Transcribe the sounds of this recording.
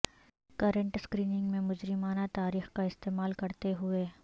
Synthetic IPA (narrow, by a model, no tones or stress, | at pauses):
kɐɾə̃ɳʈskɾiːnɪ̃ŋɡmẽmʊd͡ʒɾɪmaːnat̪aːɾiːxkaɪst̪eːmaːlkɐɾt̪eɦʊeː